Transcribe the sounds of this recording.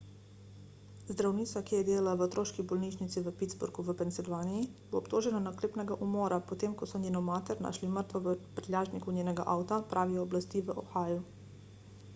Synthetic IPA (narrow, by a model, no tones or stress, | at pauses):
zd̪ɾawniːtsakijɛd̪eːlalaʋəot̪ɾoːʃkibɔlniːʃnit̪siʋəpit̪zbṵɾɡuʋəpɛnt̪silʋaːnijiboːpt̪oːʒɛnanakleːpnɛɡaʔumɔːɾapɔt̪eːmkɔsɔnjeːnɔmaːt̪ɛɾna̰ːʃliməɾt̪ʋɔʋəpɾɛlʲaːʒnikunʲjeːnɛɡa̰ʔaːwt̪apɾʔaːʋiɔːblast̪iːʋəʔoxaːju